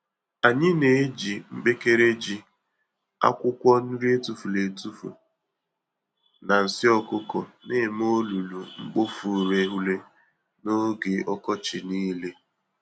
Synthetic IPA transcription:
a˨ɲɪ˦ne˨e˦d͡ʒi˨ŋ͡m̩˦ɡ͡be˦ke˦ɾe˦d͡ʒi˦ | a̰˦kʷʊ˦kʷɔ˦n̩˦ɾi˦e˦tu˨fu˨le˨tu˦fṵ˨ | na˨n̩˨sɪ˦ɔ˦kʊ˦kɔ˨ne˦˨m˦o˦lu˨lu˨ŋ͡m̩˦ɡ͡bo˦fu˨ɾe˨˦ɦu˦le˦ | no˦ɡe˨ɔ˦kɔ˦t͡ʃɪ˨niː˦le˦

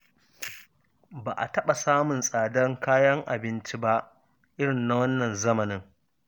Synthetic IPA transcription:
baː˨ʔa̰˨tɐ˦ɓa˨saː˦mʊ˨nsʼaː˨dɐ˦ŋkaː˦jɐ˦ŋʔa˨bɪ˦nt͡ʃi˦ba˦ʔ | ʔɪ˦ɽɪ˨nːa˨wɐ˦nːɐ˨nzɐ˦mɐ˨nɪ˦ŋ

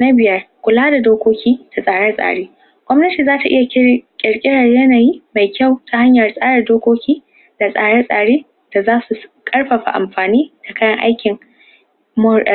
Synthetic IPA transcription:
na˦bɪ˨jɐ˦rkʷʊ˨laː˦da˨doː˦kʷoː˦kʲiː˦d̥a˨sʼaː˨ɽɛ˦sʼa̰ː˨ɽeː˦ | ɡ̥ʷɔ˦mnɐ˦tiː˨zaː˦ta˨ʔɪ̰˦ja˨˦kʲʼɪ˨ɽkʲʼɪ˦ɽɐ˨rjɐ˦na˨jiː˦ma˨jkʲa˦˨wtʰa˨ha˦ɲjɐ˨rsʼaː˦ɽɐ˨rdoː˦kʷoː˦kʲiː˦ | d̥a˨sʼaː˦˨ɽɛ˦sʼaː˨ɽeː˦ | d̥a˨zaː˦su˨kʼɐ˦ɽɸɐ˨ɸa̰˨ʔa̰˨mɸaː˨niː˦d̥a˨ka˦jɐ˦ŋʔa̰˦jkʲɪ˨ŋ | mʊ˦˨

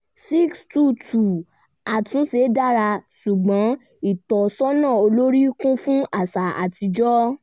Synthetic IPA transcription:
si˦kstu˦˨tʰu˨ | a˨tũ˨˦se˨˦da˦ɾa˧su˨ɡ͡bɔ̃˨˦ | i˦˨tɔ˨sɔ˦nãː˦˨o˧lo˦ɾi˦kũ˦fũ˦a˦˨sa˨a̰˨ti˧d͡ʒɔ˦

